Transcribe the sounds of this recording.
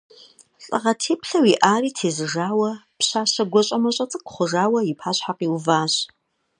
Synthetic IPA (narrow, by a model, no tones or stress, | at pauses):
ɬʼɨ̰ʁɐtʰeːpʰɬɐwiʔaːriːtʰeːzɨʐaːwɐpɕaːɕɐɡʷɔɕʼɐmɐɕʼɐt͡sʼɨkχʷʊʐaːwɐipʰaːɕħaqiːwvaːɕ